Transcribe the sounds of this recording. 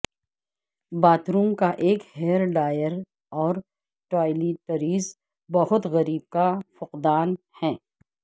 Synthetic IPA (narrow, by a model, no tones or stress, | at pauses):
baːt̪ɾuːmkaʔeːkhɛːɾɖaːjəɾ | ɔːɾ | ʈaːɪlit̪ɐɾiːz | bɐɦʊt̪ɣɐɾiːb̚kafʊqd̪aːn | hɛː